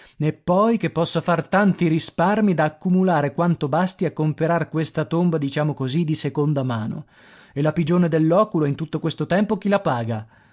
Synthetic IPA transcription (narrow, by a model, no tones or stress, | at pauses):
epːɔjkepːɔsːafart̪ant̪iɾisparmid̪aːkːumulaːɾekwant̪obast̪iakːompeɾarkwest̪at̪ombad̪it͡ʃaːmokozid̪isekond̪amaːno̰ | elapid͡ʒoːned̪elːɔːkuloɛint̪ut̪ːokwest̪ot̪ɛmpok̟ilapaːɡa